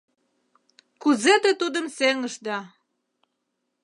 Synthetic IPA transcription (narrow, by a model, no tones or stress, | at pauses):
kuzet̪ĕt̪ud̪ə̆mseŋəʃd̪ɑ